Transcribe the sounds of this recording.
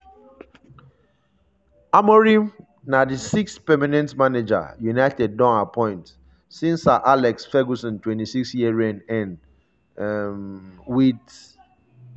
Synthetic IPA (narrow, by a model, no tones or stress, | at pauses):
amɔɹĩ | nadisikspɛmanɛ̃ntmaned͡ʒa̰junaɪtɛd̚ːɔ̃napʰɔ̃ɪ̃nt | sĩnsaʔalɛksfɛɡusɔ̃ntwɛ̃ntisiksjiɹɛ̃nɛ̃n | mwit